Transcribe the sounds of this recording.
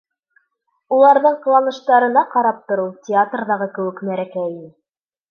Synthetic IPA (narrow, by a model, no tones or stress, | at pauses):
ulˠɑɾðɤɴqɤ̆lˠɑnɤ̆ʃt̪ɑɾɤ̆nɑqɑɾɑp̚t̪ŏɾɤw̪ˠtʲɪat̪rðɑʁɤkɘ̆wɘ̆knæɾækæjɘ